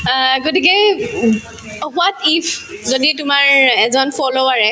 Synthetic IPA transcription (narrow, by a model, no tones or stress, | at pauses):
ɡotik̬ɛ | ɔɦuatifʰzoditʊmaɹɛzɔnpʰɔloaɹɛ